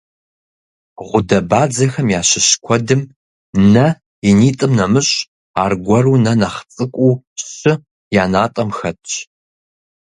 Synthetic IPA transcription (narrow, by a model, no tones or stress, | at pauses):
ʁʷʊdɐbaːd͡zɐxɐmjaːɕɪɕkʷʰɔdɨm | nɐ | iniːtʼɨmnɐmɨɕʼ | a̰ːrɡʷɔruːnɐnɐχt͡sʼɨkʷʼuː | ɕɨ | jaːnaːtʼɐmxɐtʰʼɕ